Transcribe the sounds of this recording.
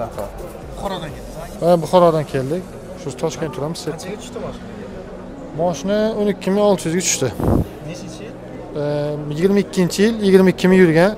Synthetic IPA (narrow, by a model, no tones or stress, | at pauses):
ɾʲ | vabʊχɒɾɒd̪ankʲʰe̞ld̪ɪkʲ | ʃʊzt̪ʰɒʃkʲe̞nt̪ʰʊɾamɪzse | mɒʃɪnaʊnɪkʲːɪmɪŋɒlˠt̪ʰɪjyzɡʲat͡ʃ̪ʰʊ̥ʃt̪ɪ | jɪɡʲɪɾmaɪkʲːɪnt͡ʃʰɪjɪljɪɡʲɪɾmaɪkʲʰːɪmɪjʊɾɡʲan